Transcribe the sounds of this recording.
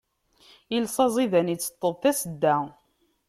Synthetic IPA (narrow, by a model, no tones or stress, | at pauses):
əlsˤɑzˤiðænit͡sːə̥t̪ˤːəðˤθæsəd̪ːæ